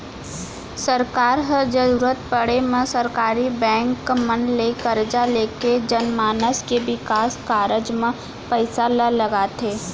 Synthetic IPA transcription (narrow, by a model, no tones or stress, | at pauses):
səɾkaːɾɦəɾd͡ʒəɾuːɾət̪pəɽemẽsəɾkaːɾibɛ̃ːŋkːmənlekəɾd͡ʒaleːked͡ʒənmaːnəskebɪkaːskaːɾəd͡ʒmẽ | pəɪsaləlɐɡaːt̪eː